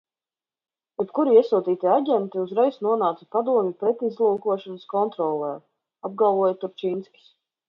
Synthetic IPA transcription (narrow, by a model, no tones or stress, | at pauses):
jɛpkuɾiiɛsuɔt̪iːt̪iaɟʲɛnt̪iuzɾɛjsnuɔnaːt̪sḁpad̪uɔmʲupɾɛt̪izlˠuːkuɔʃɔnəskɔnt̪ɾɔlˠɛː | ab̚ɡalˠvuɔjt̪uɾt͡ʃinskʲi̥s